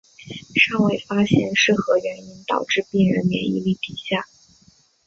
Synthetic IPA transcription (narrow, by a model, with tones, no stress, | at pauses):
ʂɑ˥˩ŋwe˥˩ɪfa˥ɕjɛ˥˧nʂɻ̩˥˩xɤ˧˥ɥɛ˧˥ni˥nt̪ɑ˨˩ʊʈ͡ʂɻ̩˥˧pi˥˩ŋɻə̰˧˥nmjɛ̰˧˥nḭ˧˥li˥˩t̪i˨˩ɕja˥˩